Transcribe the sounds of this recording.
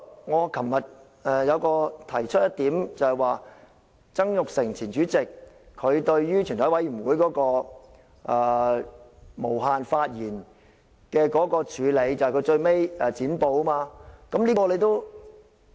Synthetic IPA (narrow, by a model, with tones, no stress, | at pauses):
ŋɔː˨˧kʰɐ˨˩mmɐ˨t̚ | ɛː˨jɐ˨˧wkɔː˧t̪ʰɐ˨˩jt͡ʃʰɵ˥t̚jɐ˥t̪iː˨˥mt͡sɐ˨˧hɛ˨jwaː˨˧ | t͡sɐ˥ŋjʊ˨k̚sɪ˨˩ŋt͡sʰiː˨˩nt͡ʃyː˨˥t͡sɪ˨k̚ʰː | ɵ˨˧ɥt̪ɵ˧ɥjyː˥t͡ʃʰy˨˩nʰɔ˨˥wɐ˨˥jyː˨˩wuː˨˧jkɔː˨˥kɔː˧ | ʔɛː˨˩ | mo˨˩wɦaː˨nfaː˧t̚jiː˨˩n | kɛː˧kɔː˨˥kɔː˧t͡ʃʰyː˨˧le˨˧jt͡sɐ˨hkɵ˨˧ɥt͡ʃɵ˧ɥme˥jɛ˨t͡siː˨˥npo˨˧wmaː˧kɐ˨˥mliː˥kɔː˧le˨˧jt̪o˥w